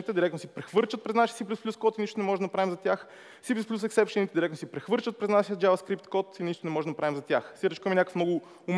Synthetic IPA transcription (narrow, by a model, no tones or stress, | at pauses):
it̪ɛd̪iɾɛk̚tnosipɾɛxvɤɾt͡ʃət̪̚pɾɛznaʃiəsiplʲusplʲuskɔt̪iniʃt̪onɛmɔʒɛd̪md̪ɐpɾavimzɐt̪ʲjax | siplʲusplʲusɛksɛpʃɛnit̪ɛd̪iɾɛktnosipɾɛxvɤɾt͡ʃət̪̚pɾɛznaʃijəd̪d͡ʒavɐskɾip̚t̪kɔt̪iniʃt̪onɛmɔʒɛd̪nd̪ɐpɾavimzɐt̪ʲjaxsiɾɛt͡ʃkmɛnʲakə̥fmnɔɡʊ | ʊm